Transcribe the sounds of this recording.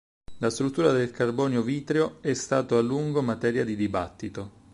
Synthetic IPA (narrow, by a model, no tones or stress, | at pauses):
last̪ɾut̪ːuːɾad̪elkarbɔːnjoviːt̪ɾeoɛst̪aːt̪oalːuŋɡomat̪ɛːɾjad̪id̪ibat̪ːit̪o